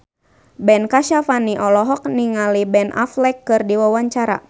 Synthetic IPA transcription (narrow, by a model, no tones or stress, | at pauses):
bɛnkaʃafaniʔɔlɔɦɔk̚niŋalibɛna̰flɛkːɨrdiwawaɲt͡ʃaɾa̰